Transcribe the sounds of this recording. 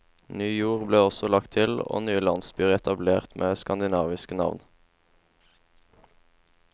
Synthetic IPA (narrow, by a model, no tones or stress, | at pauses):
nyːjuːʁbleːɔsɔlɑkt̪ʰɪlo̰ːnyːəlɑnsbyːʁɛt̪ɑbleːʁt̪mʔeːskɑnd̪ɪnɑːʋɪskənɑ̰ʋn